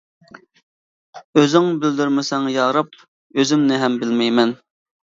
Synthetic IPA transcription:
øzɪŋbɪld̪yɾmɪsɛŋjɑːɾɑp̚ | øzɪmnɪɦɛmbɪlmɛjmɛn

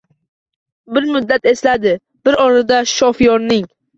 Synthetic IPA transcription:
bɪɾmʊd̪ːat̪e̞slad̪ɪ | b̥ɪɾɒɾad̪aʃɒfɪjɒɾnɪŋ

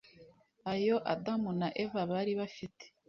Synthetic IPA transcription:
ajoʔadamunaʔe̞vaβaɾiβafite̥

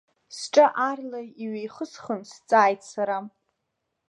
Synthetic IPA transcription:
sʈ͡ʂʼaʔarlajiɥejχəsχənst͡sʼaːjtʰʼsaɾa

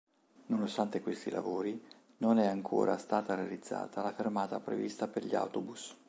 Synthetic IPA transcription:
nonost̪ant̪ekwest̪ilʔa̰voːɾi | nonɛaŋkʰo̰ːɾʔa̰st̪aːt̪aɾealid̪zːa̰ːt̪alafermaːt̪apɾḛvḭst̪aperʎia̰wt̪obus

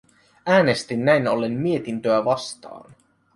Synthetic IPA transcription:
æːne̞st̪inːæjnolːemmie̞t̪int̪øæʋɑst̪ɑ̰ːn

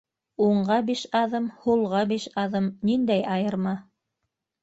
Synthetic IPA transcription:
uɴɢɑbiʃɑðɤmhulˠʁɑbiʃɑðɤmnind̪æjɑjɤ̆ɾmɑ

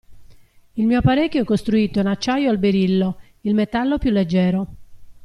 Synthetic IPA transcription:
ilmiːopaɾecːoɛkːost̪ɾuiːt̪ounat͡ʃːajoalbeɾilːo | ilmet̪alːopjulːed͡ʒːɛːɾo

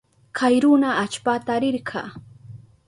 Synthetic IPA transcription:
kʰajɾʊnaːt͡ʃpat̪aɾɪɾɢʰɑ̰ː

